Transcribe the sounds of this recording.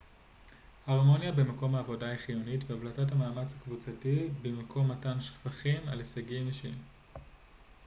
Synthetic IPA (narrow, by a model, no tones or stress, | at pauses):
haʁmo̞njabemako̞mhaːvo̞daeχijunitveavlatathamaːmat͡shakvut͡satibemakʰo̞mːatanʃfaχimalesaɡimiʃḭm